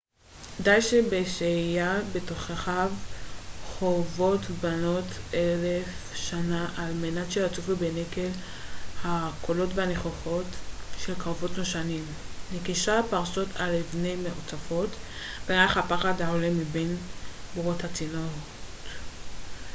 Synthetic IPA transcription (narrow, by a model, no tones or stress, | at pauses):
kdajʃebeʃejabe̞toχeχav | χovo̞tbano̞telefʃanaʔalmenatʃeat͡sufubenekel | hakʰolo̞tvehaneχoχo̞tʃe̞lkaʁovo̞tnoʃanimnekiʃapaʁʃo̞tʰalevnejmeʔot͡safo̞t | beʁaχhapaχadhaolemibenbuʁothat͡sino | t